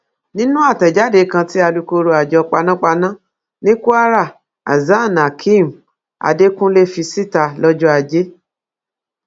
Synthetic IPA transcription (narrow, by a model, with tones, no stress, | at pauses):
nĩ˦nũ˦a˦˨tɛ˨d͡ʒa˨˦de˧˦kã˧ti˦a˧du˧ko˧ɾo˧a˨d͡ʒɔ˧k͡pa˧nã˦k͡pa˧nã˦ | nĩ˦ku˦a˦ɾa˦˨ | a̰˨za˦˨na˨kʰĩ˦˨m˨ | a̰˨de˦kũ˦le˦fi˧si˦ta˧lɔ˦d͡ʒɔ˦a˨d͡ʒe˦